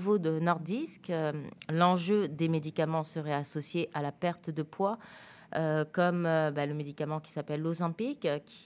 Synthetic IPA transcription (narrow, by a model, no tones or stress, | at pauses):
vod̪ənɔʁd̪iskølɑ̃ʒød̪emed̪ikamɑ̃səʁɛasɔsjeʔalapɛʁt̪d̪əpwa | økɔmøbaləmed̪ikamɑ̃kʲi̥sapɛlːozɛ̃pikkʲi̥